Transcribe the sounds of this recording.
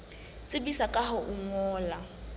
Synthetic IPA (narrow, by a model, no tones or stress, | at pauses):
t͡sʼɪbisakʼaɦʊʔʊŋɔːla